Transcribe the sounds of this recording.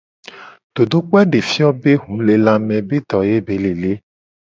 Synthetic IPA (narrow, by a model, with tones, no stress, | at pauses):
t̪o˨do˦k͡pwɛ˦ɖe˨fi˦ɔ˦be˦hũ˨˦le˨la˧mɛ̃˧be˦t̪ɔ˨je˦be˨˦le˨le˦